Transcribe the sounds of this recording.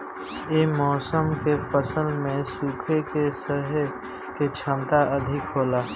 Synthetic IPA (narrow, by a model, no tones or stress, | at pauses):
eːmɔːsəmkefəsəlmẽsuːkʰekesəɦ | ket͡ʃʰə̃mt̪aɐd̪ʱɪkɦoːlaː